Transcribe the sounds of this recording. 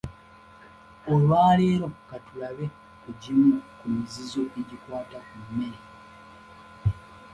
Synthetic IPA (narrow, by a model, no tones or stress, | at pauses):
olwaːleːɾo̞katulaβe̞ | kuɟimukumizizo̞ʔeɟikwaːtakumːeɾe